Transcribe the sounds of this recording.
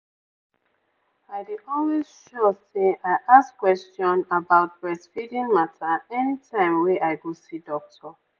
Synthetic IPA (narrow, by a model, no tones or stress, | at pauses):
aɪdiʔɔlwizʃɔseaɪʔaskwɛstɔ̃nabaʊt̚b̥ɹɛsfidĩŋmatʰaɛnitʰãɪ̃mwɛʔaɪɡɔsidɔk̚tʰɔ